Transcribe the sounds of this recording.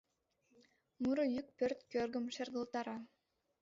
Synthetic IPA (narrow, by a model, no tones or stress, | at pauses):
muɾɤjyk̚pørt̪kørɡə̆mʃerɡɤ̆lˠt̪ɑɾɑ